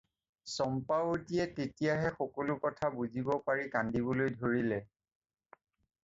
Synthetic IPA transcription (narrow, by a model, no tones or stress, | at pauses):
sɔmpawotiɛtetijaɦɛxɔkolʊkɔtʰabuzibɔpaɹikandibɔlojdʱoɹilɛ